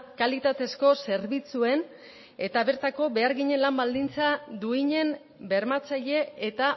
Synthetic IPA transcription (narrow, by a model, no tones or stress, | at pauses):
kalit̪at̪e̞sko̞se̞ɾβit͡sue̞n | e̞t̪aβe̞ɾt̪ako̞be̞aɾɣiɲe̞nlambald̪int͡sad̪uiɲe̞m | be̞ɾmat͡saʎe̞et̪a